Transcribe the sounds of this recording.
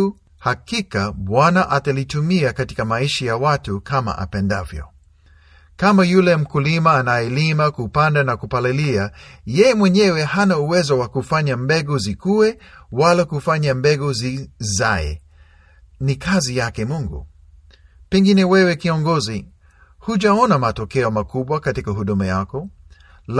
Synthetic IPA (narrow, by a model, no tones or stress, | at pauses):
hakikaɓwanaʔatalitumiakati̥kamaiʃajawatukʰama̰ʔa̰pɛnda̰vjɔ̰ | kamajulɛm̩kulimaːnajɛlimakupandanakupalɛliajɛjɛmwɛɲɛwɛhanauwɛzɔwakufaɲambɛɡuzikuwɛwalakufaɲambɛɡuzizaɛ̰ | nikazijakɛmuŋɡṵ | pɛŋɡinɛwɛwɛkiɔŋɡɔzi | huʄaɔnamatɔkɛɔmakuɓwakatikaɦuɗumajakɔ | l